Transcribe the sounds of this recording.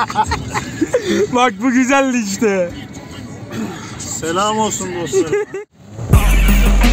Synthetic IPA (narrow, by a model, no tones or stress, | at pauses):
bak̚buɡyzælʲːiʃ̬t̪ɛ | selʲaːmolˠsunbos